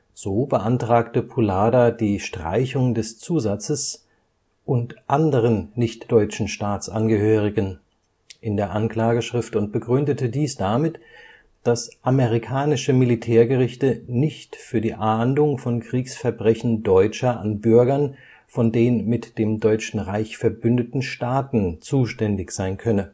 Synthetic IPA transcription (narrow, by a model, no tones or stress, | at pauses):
z̥oːbəʔantʁ̥aːktəpʰulaːdadiːʃtʁ̥a̰ɪçʊŋdɛst͡suːzat͡səs | ʔʊntʔandəʁənnɪçtd̥ɔʏt͡ʃn̩ʃtaːt͡sʔanɡəɦøːʁ̞ɪɡən | ʔɪndeːɐʔankl̥aːɡəʃʁ̥ɪftʊnt̚b̥əɡʁʏndətədiːsd̥amɪt | d̥asʔaməʁikʰaːnɪʃəmilitʰɛːɐɡəʁɪçtənɪçtfyːɐdiːʔaːndʊŋfɔnkʁ̥iːksfɛɐbʁɛçn̩dɔʏt͡ʃɐʔa̰nbʏɐɡɐn | fɔndeːnmɪtd̥eːmdɔʏt͡ʃn̩ʁaɪçfɛɐbʏndətn̩ʃtaːtn̩t͡suːʃtɛndɪçz̥aɪnkʰœnə